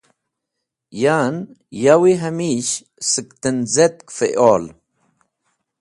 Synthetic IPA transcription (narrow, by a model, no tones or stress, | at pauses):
jaːn | jawiɦɐmiɕ | sɨkt̪ənzet̪̚kfḛʔoːl